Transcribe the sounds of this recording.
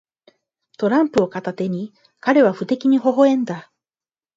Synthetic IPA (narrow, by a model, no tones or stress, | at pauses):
t̪o̞ɾãmpɯ̟o̞kat̪at̪e̞ɲ̟i | kaɾe̞β̞aɸɯ̟t̪e̞kʲiɲ̟iɦo̞ɦo̞ẽ̞nd̪a